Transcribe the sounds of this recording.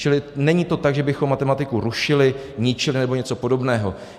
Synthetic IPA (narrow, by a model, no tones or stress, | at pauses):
t͡ʃɪlɪnɛɲiːt̪o̞t̪aɡʒɛbɪxomːat̪ɛmat̪ɪkuɾuʃɪlɪɲɪt͡ʃɪlɪnɛboɲɛt͡so̞po̞do̞bnɛːɦo̞